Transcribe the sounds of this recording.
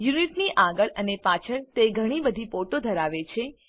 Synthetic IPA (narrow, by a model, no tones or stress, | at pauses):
juniʈniʔaɡəɭənepat͡ʃʰəɭt̪eɡʱəɽ̃ibəd̪ʱipoʈod̪ʱəɾaʋet͡ʃʰe